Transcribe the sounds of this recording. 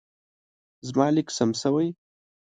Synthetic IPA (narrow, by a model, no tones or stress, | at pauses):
zmɑːlɪksamsawaj